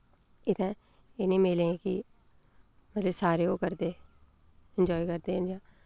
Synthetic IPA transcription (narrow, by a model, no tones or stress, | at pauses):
ɪt̪ʰɛ̃ː | eːnĩːmeːlẽːkḭ | mət̪ləbsaːɾeːoːkəɾd̪eː | ɪnd͡ʒɔːikəɾd̪eːənjãː